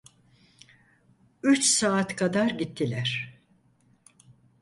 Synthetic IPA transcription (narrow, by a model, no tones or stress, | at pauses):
yt͡ʃsaːt̪kʰad̪aɾɟit̪ʰːilʲæɾ̥